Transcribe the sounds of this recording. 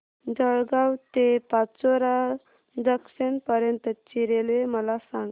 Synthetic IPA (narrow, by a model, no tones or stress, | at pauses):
d͡zəɭɡawt̪epat͡soɾa | dəksenpəɾjənt̪ət͡ɕiɾeleməlasãŋɡ